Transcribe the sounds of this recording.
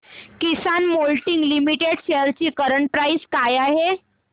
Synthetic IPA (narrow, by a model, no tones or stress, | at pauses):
kisanmolʈiŋɡlimiʈeɽɕejəɾt͡ɕiːkəɾəɳʈ̚pɾajskajaɦe